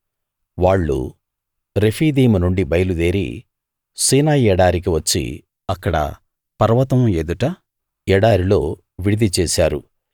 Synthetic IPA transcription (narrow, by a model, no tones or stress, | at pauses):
ʋaːɭːṵ | ɾepʰiːd̪iːmunuɳɖibɐjɐlud̪eːɾḭ | siːnaːjɛɽaːɾik̬iʋɐt͡ʃːḭ | ɐkːɐɽɐ̰ | pɐɾɐʋɐt̪ɐmeːd̪uʈa | ɛɽaːɾilo̞ː | ʋiɽid̪it͡ʃɛːsaːɾṵ